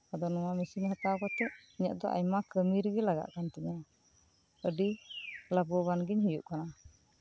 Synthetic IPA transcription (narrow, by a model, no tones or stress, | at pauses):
ad̪ɔnɔwamisiɲhat̪awkɔt̪ɛʔiɲa̰ʔd̪ɔ̰ʔa̰jmakəmiɾɡɛlaɡa̰ʔkant̪ɛɲa | əɖilabɔbanɡiɲɦujuʔkana